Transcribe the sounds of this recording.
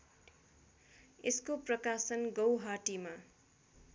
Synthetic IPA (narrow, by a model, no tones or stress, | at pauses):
eskoprʌkasʌnɡʌwɦaʈima